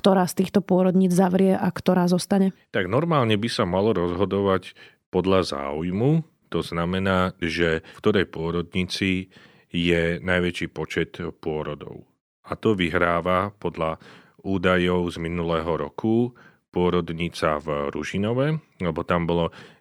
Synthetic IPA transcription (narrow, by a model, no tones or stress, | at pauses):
kt̪ɔɾaːst̪iːxt̪ɔpʊɔɾɔd̪ɲiːd͡zzaʋɾɪɛʔakt̪ɔɾaːzɔst̪aɲɛt̪aɡnɔɾmaːlɲɛbisamalɔɾɔzɦɔd̪ɔʋac | pɔd̪ʎaza̰ːujmu | t̪ɔznamɛnaːʒɛfkt̪ɔɾɛjpʊɔɾɔd̪ɲit͡si | jɛnajʋɛt͡ʃiːpɔt͡ʃɛt̪pʊɔɾɔd̪ɔ̰ʊ | at̪ɔʋiɦɾaːʋapɔd̪ʎa | uːd̪ajɔʊzminulɛːɦɔɾɔ̰kʰu | pʊɔɾɔd̪ɲit͡sa̰vɾṵʒinɔʋɛlɛbɔt̪ambɔlɔ